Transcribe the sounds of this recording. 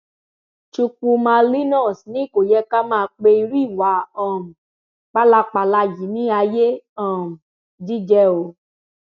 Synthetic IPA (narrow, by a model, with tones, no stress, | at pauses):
t͡ʃu˧ku˧mã˧li˦nɔ̃˦˨snĩ˦˨ko˨jɛ˧˦ka˦mãː˦˧˦k͡pe˧i˧ɾi˦˨wa˨˦ɔ̃˨m̩˨ | k͡pa˦la˧k͡pa˧la˧ji˨˦nĩ˦a˧je˦ɔ̃˨m̩˨ | d͡ʒi˦d͡ʒɛ˧˦o˨˦